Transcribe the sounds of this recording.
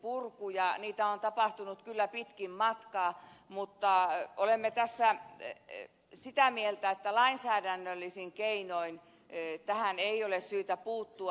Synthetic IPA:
purkujɑniːt̪æont̪ɑpɑht̪unut̪kylːæpit̪kimmɑt̪kɑːmut̪ːɑolemːet̪æsːæ | sit̪æmielt̪æet̪ːælɑinsæːdænːølːisiŋkeinoin | t̪æhæneijolessyːt̪æpuːt̪ːuɑ

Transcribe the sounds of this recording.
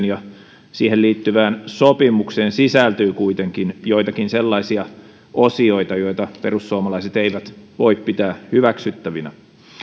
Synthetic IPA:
njɑ | siːheliːt̪ːyʋæːnsopimukseːnsisælt̪yːkuit̪eŋkinjojt̪ɑkinselːɑisiɑ | ʔosio̞it̪ɑjo̞it̪ɑperusːuomɑlɑiset̪eiʋæt̪ʋo̞ippit̪æːhyʋæksyt̪ːæʋinæ

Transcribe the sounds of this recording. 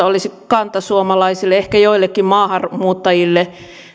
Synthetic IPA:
olisikɑnt̪ɑsuomɑlɑisilːˑeehkæjoilːekːimmɑːhɑrmuːt̪ːɑjilːe

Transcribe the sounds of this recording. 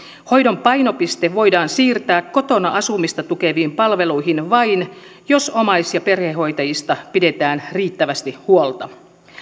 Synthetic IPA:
ho̞jdo̞mpɑjno̞pist̪eʋo̞jdɑːnsiːrt̪æːkko̞t̪o̞nɑʔɑsumist̪ɑt̪ukeʋiːmpɑlʋe̞lujɦinʋɑjn | jo̞somɑjsjɑpe̞rheɦo̞jt̪ɑjist̪ɑpide̞t̪æːnriːt̪ːæʋæst̪ihuolt̪ɑ

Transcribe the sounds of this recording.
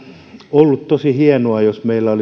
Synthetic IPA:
olːut̪t̪osihiɛnoɑjosmeilːæoli

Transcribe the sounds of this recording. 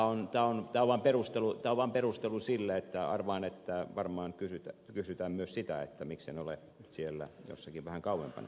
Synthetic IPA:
ont̪æːont̪æːoʋʋɑːmperust̪elut̪æːoʋʋɑːmperust̪elusilːeet̪ːæɑ̰rʋɑhɑnet̪ːæʋɑrmɑːŋkysyt̪ækysyt̪æːmmyøssit̪æḛt̪ːæmikseneole | yt̪sielːæ̰jo̰sːɑkiʋʋæhæŋkɑuwḛmpɑ̰nɑ̰

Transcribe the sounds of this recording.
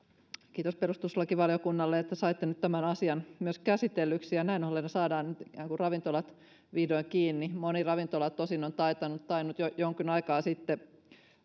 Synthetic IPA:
kiːt̪osperust̪uslːɑkiʋɑljokunːɑlːeet̪ːæsɑit̪ːenyt̪t̪æmænɑsiɑnmyøskæsit̪elːyksijɑnæinolːenːɑsɑːdɑːnnyt̪ikæːŋkurrɑʋint̪olɑt̪ | ʋiːdoiŋkiːnːimonirɑʋint̪olɑt̪ːosinont̪ɑit̪ɑnut̪t̪ɑinut̪jojoŋkinɑikɑːsit̪ːe

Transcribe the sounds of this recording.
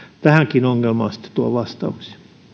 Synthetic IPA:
t̪æhæŋkinoŋːelmɑ̰ːnsĭ̥t̪ːe̥t̪uɑʋɑst̪ɑ̰uksi̥

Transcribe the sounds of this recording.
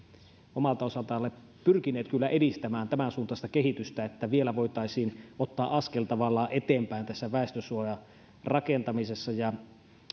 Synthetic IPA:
ʔomɑlt̪ɑosɑlt̪ɑˑolːe | pyrkinˑeːt̪kylːæʔedist̪æmæːnt̪æmænsuːnt̪ɑst̪ɑkeɦit̪yst̪æet̪ːæʋielæʋoˑit̪ɑˑisiːnot̪ːɑːʔʔɑskelt̪ɑʋɑlːɑːʔʔet̪eːmpæˑint̪æsːæʋæˑest̪øsuojɑ | rɑkent̪ɑmisesːɑjɑ

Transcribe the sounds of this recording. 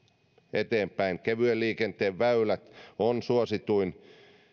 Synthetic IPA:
et̪eːmpæiŋkeʋyølːiːkent̪eːʋʋæylæt̪onsuosit̪uin

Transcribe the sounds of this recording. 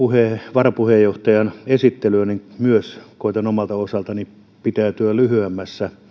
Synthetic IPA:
uheʋɑrɑpuhejjoht̪ɑjɑnesit̪ːelyæniŋmyøskoˑit̪ɑnomɑlt̪ɑosɑlt̪ɑni | pit̪æːˑt̪yælyhyæmːæsːæ

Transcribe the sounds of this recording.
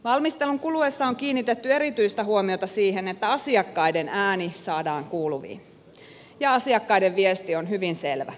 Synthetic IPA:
ʋɑlmist̪e̞luŋkuluesːɑoŋkiːnːit̪et̪ːye̞ɾit̪yist̪æɦhuomiot̪ɑsiːɦenet̪ːæɑsiɑkːɑjdenæːnisɑːdɑːŋkuːluʋḭːn | jɑɑsiɑkːɑjdeʋʋiest̪ionɦyʋinse̞lʋæ̰

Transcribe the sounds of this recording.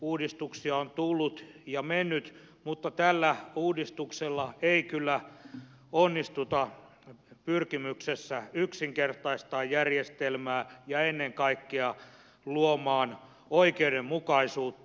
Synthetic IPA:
uːdist̪uksiɑont̪ulːut̪ | jɑmenːyt̪ | mut̪ːɑt̪ælːæuːdist̪ukselːɑeikylːæ | onːist̪ut̪ɑ | pyrkimyksesːæyksiŋkert̪ɑist̪ɑːjjærjest̪elmæːjɑenːeŋkɑikːeɑ | luomɑːn | oikeudemmukɑisuːt̪ːɑ

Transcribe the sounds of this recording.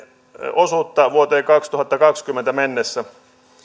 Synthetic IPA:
osut̪ːɑʋuot̪eːkɑkst̪uhɑt̪ːɑkɑkskymːˑent̪æmenːesːæ

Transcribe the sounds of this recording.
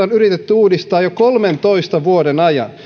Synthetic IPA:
onyrit̪et̪ːyuːdist̪ɑːjokolment̪oist̪ɑʋuodenɑjɑ̰n

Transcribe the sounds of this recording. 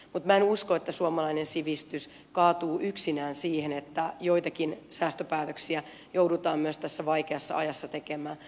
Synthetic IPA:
mut̪mæenuskoet̪ːæsuomɑlɑinensiʋist̪ys | kɑːt̪uːʔyksinæːnsiːhenet̪ːæjoit̪ɑkinsæːst̪øpæːt̪øksiæ | jowdut̪ɑːmmyøst̪æsːæʋɑikeɑsːɑ̰ɑ̰jɑsːɑt̪ekemæː

